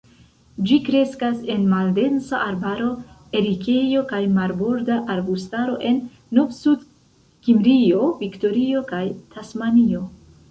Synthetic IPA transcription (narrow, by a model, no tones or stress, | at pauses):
d͡ʒikɾe̞skase̞nmalde̞nsaʔaɾbaɾo̞ | e̞ɾike̞jo̞kajmaɾbo̞ɾdaʔaɾbustaɾo̞̰ʔe̞nː | ovsud | kimɾio̞vikto̞ɾio̞kajtʰasmanio̞